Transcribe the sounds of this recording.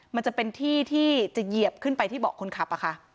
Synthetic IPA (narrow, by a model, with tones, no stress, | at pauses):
ma˧nt͡ɕa˨˩pe˧nt̪ʰiː˥˩t̪ʰiː˥˩t͡ɕa˨˩ji˨˩əp̚kʰɯ˥˩npa˧jt̪ʰiː˥˩bɔː˨˩kʰːo˧nkʰa˨˦˩p̚ʔa˨˩kʰa˥˩ʔ